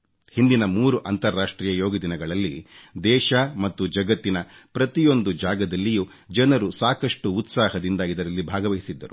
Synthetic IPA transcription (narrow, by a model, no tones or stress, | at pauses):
hind̪inɐmuːɾuʔɐnt̪ɐɾːaːʂʈɾiːjɐjo̞ːɡid̪inɐɡɐɭɐlːid̪ɛːʃɐmɐt̪ːud͡ʒɐɡɐt̪ːinɐpɾɐt̪ijo̞nd̪ud͡ʒaːɡɐd̪ɐlːiju | d͡ʒɐnɐɾusaːkɐʂʈuːt̪saːɦɐd̪ind̪ɐid̪ɐɾɐlːibʱaːɡɐʋɐjisid̪ːɐ̰ɾu